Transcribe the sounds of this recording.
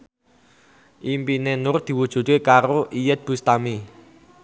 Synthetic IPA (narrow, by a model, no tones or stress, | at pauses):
ʔimpinenʊrd̪̥i̤wud̥ʒ̥ṳt̪̚kekaɾoʔijət̪̚b̥ṳst̪ami